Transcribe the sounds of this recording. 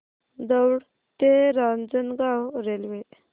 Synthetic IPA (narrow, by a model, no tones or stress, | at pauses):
d̪əwɽ | t̪eɾand͡zənɡawɾelʋe